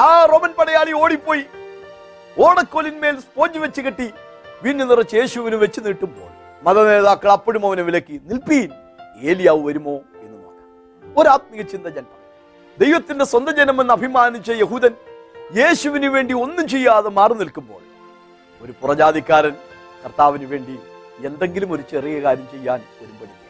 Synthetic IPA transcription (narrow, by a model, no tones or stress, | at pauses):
aːroːmɐnpɐɽɐjaːɭio̞ːɽipːo̞ːji | oːɽɐkːo̞ːlinme̞ːlspo̞ːt͡ɕːiʋet͡ɕːɨkeʈːi | ʋiːnːunirɐt͡ɕːe̞ːɕuʋinuʋe̞t͡ɕːuniːʈːumbo̞̰ːɭe | mɐðɐne̞ːðaːkːɐɭɐpːɐɽumɐʋɐneʋilɐkʲːinilpijn | e̞ːlijaːʋɨʋɐɾumo̞ːe̞nːɨnoːkːɐ̥ | oɾaːt̪̚miɣɐt͡ɕːind̪ɐd͡ʑɐnɐm | d̪e̞jʋɐt̪ːinde̞swɐnd̪ɐd͡ʑenɐmenːɐbʱimaːnit͡ɕːɐjeɦuːðɐnje̞ːɕuʋinuʋe̞ːɳɖio̞nːumt͡ɕe̞jːaːðemaːrɨnilkumbo̞̰ːɭ | o̞ɾupurɐd͡ʑaːd̪ikʲːaːɾɐn | kɐrt̪aːʋinuʋe̞ːɳɖi | e̞nd̪e̞ŋɡilumo̞ɾut͡ɕerijɐkaːɾjɐmt͡ɕe̞jːaːnʋɐɾumbɐɽu